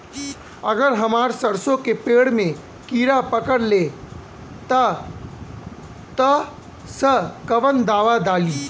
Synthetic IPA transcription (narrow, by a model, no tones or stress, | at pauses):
ɐɡəɾɦɐmaːɾsɐɾsõkepeːɽmẽ | kiːɾapəkəɾle | t̪a | t̪ə | səkɐʋənd̪aːʋad̪aːliː